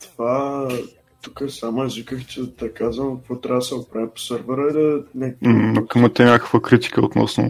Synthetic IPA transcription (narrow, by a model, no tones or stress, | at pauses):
t̪ova | t̪ukəsamʊɛzvikəxt͡ʃɛd̪ɐkazvəmkkvot̪ɾʲavd̪sɛot̪pɾavipo̥səɾvɛɾəid̪ɐnɛknokəmət̪ɛnʲakə̥kvəkɾit̪i̥kəot̪nɔ̰snʊ̰